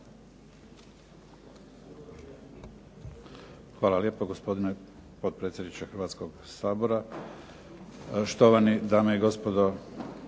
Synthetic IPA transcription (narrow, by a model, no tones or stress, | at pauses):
xʋaːlˠalje̞ːpoɡospo̞d̪inepod̪̚pɾe̞ːt̪sʲjd̪nit͡ʃexɾʋat̪sko̞ɡsaːbo̞ɾa | ʃt̪o̞ʋanid̪aːmeiɡo̞spo̞d̪o